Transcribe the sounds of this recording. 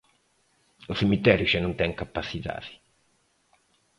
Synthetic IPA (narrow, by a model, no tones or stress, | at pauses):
usimit̪ːɛːɾjuʃɛnːunt̪ɛŋkapːasːit̪a̰ːði